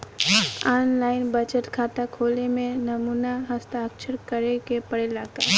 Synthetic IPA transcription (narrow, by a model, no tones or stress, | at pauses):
aːnlaːɪnbət͡ʃəʈkʰaːt̪akʰoːlemẽnəmuːnaɦəst̪aəkʃəɾkəɾekepəɽelaːke